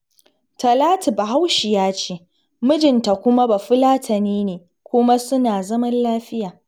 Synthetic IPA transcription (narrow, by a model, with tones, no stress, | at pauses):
tɐ˨laː˦ti˨ba˨ɦa˦wʃi˨jaː˦t͡ʃeː˦ | mʊ˦d͡ʒɪ˨nta˨kʷʊ˦ma˦ba˨ɸʊ˦laː˦tʰɐ˨niː˦neː˨ | kʷʊ˦ma˦sʊ˦naː˨zɐ˦mɐ˦nlaː˦ɸɪ˦jaː˨